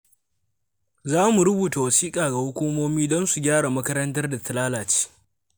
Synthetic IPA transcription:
zaː˦mu˨ɽʊ˦buː˨ta˨wɐ˨siː˦kʼaː˨ɡa˨hʊ˦kʷuː˦moː˦miː˦dɔ˦nsu˨ɡʲaː˦ɽa˨mɐ˦kɐ˦ɾɐ˦ntɐ˦rda˨tɐ˨laː˦laː˨t͡ʃi̥ː˦

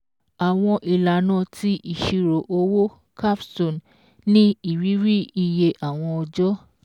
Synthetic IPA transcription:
a˨w̃ɔ̃˧ʔi˨la˨nã˦˨tʰi˦ʔi˨ʃi˧ɾo˨ʔo˧wo˦ | kʰa˦˨fso˨n | nĩ˦i˨ɾi˨˦ɾi˦i˦˧je˧ʔa˨w̃ɔ̃˧ɔ˧d͡ʒɔ˦

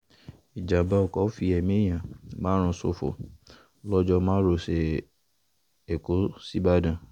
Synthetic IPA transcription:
i˨d͡ʒa˨ba˧ɔ˨kɔ˨˦fi˧ɛ˨mĩ˦j̃ã˨mãː˨˦ɾ̃ũ˧so̰˧fo̰˨ | lɔ˦d͡ʒɔ˧mãː˦ɾo˧se˨ | e˨ko˨˦si˦ba˦dã˦˨

